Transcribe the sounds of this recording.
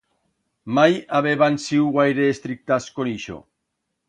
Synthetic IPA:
majaβeβansiwɣajɾeːst̪ɾik̚t̪askoniʃo̰

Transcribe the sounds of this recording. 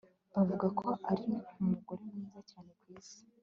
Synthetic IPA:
avuɡakʰo̞ʔaɾiumuɡo̞ɾe̞mŋiːzacaːne̞kwiːz̥i̥

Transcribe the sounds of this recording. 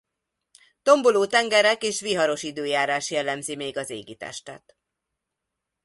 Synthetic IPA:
t̪o̞mboloːt̪ɛŋɡɛɾɛkeːʃʋiɦɒɾo̞ʃid̪øːjaːɾaːʃjɛlːɛmzimeːɡɒzeːɡit̪ɛ̰ʃt̪ɛ̰t̪

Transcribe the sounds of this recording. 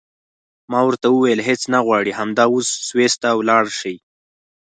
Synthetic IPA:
mɑwəɾt̪awəwajəlɦet͡snaɣwɑɽiɦamd̪ɑwosːwest̪aːwlɑɽʃəj

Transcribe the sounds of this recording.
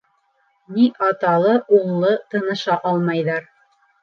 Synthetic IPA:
niʔɑt̪ɑlˠɤʔuɴlˠɤt̪ɤ̆nɤ̆ʃɑʔɑlˠmɑjðɑɾ

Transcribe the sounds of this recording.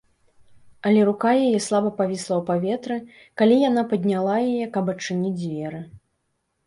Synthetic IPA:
ɐlʲɛɾukajajɛslˠabɐpavʲislˠɐwpavʲɛt̪ɾɨ | kalʲijanapɐd̪ʲnʲalˠajajɛkɐpɐt͡ʂːɨnʲid͡zʲvʲɛɾɨ

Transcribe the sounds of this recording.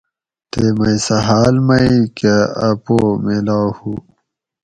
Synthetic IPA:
t̪emɐjsɐɦaːlmɐikeɐpomelaːhu

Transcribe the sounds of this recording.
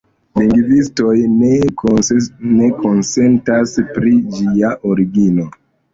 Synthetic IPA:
liŋɡvisto̞jne | neko̞nse̞ntaspɾid͡ʒiaʔoɾiɡino̞

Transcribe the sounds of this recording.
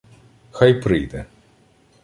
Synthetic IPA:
xajpɾɪjd̪ɛ

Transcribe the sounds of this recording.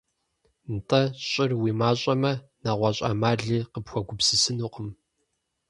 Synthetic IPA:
ntʰʼɐɕʼɪrwiːmaːɕʼɐmɐnɐʁʷɑɕʼa̰ːmaːɮiːqəpxʷɔɡʷʊpsɨsɨnuːqəm

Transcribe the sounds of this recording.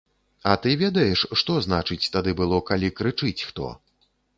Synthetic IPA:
ɐt̪ɨvʲɛd̪ɐjɛʂʂt̪ɔznat͡ʂɨt͡sʲt̪ad̪ɨbɨlˠɔkalʲikɾɨt͡ʂɨt͡sʲxt̪ɔ̰

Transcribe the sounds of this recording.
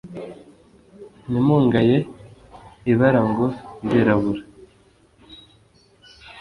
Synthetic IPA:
nimuːŋɡaje | iβaɾaŋɡondiɾaβuɾa

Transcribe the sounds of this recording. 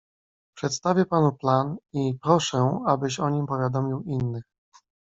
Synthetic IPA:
pʂɛt̪st̪avʲjɛpanuplanipɾɔʂɛabɘɕɔɲimpɔvʲjad̪ɔmʲiwinːɘx

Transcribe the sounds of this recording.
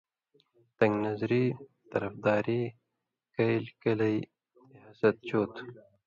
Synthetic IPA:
t̪ɐŋɡnɐzɾit̪ɐɾɐfd̪aːɾi | kɐjlkɐlɐj | iaːsɐt̪̚t͡ɕoːt̪

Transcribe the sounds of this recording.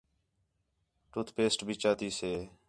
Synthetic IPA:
ʈʊt̪ʰpeːsʈbʱiːt͡ʃaːt̪iːseː

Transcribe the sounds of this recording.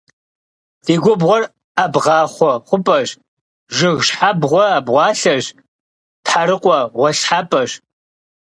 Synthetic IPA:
d̥eːɡʷʊbʁʷɔr | abʁɑːχʷɔχʷʊpʼɐʒ | ʒɪɣʃħabʁʷɔaːbʁʷɑːɬɐʒ | tħaɾɨqʷʼɔʁʷɔɬħapʼɐɕ

